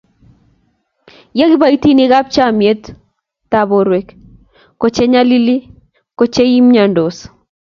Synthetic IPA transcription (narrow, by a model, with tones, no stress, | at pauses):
ja˦ɡi˦ba˨i˦ti˦ni˦ɡa˦p̚t͡ʃa˦˨mje˦t̪ | ta˦bo˨ɾwe˦k | ko˨t͡ʃe˦ɲa˦li˦li˦ | ko˨t͡ʃe˦i˦mɲa˨ndo˨s